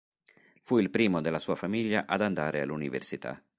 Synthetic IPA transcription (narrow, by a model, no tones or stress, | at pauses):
fuilpɾiːmod̪elːasuːafamiʎːaʔad̪and̪aːɾea̰lːunivḛrsit̪a̰